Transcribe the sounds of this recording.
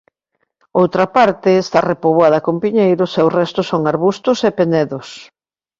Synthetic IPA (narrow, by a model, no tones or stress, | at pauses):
owt̪ɾɐpaɾt̪ɪːst̪arepoβwaðɐkompiɲejɾʊsɛwrɛst̪ʊsoŋaɾβust̪ʊsepenɛðʊs